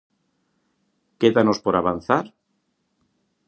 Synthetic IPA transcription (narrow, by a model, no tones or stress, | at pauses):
keðanospoɾaβan̟θaɾ